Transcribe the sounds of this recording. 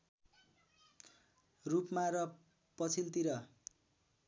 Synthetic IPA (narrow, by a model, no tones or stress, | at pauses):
rupmaɾʌ | pʌt͡sʰilt̪iɾʌ